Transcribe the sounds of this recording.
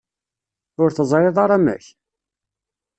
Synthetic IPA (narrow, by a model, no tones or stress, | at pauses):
ʊɾθəzˤɾˤɪðˤɑɾˤɑmæ̰ç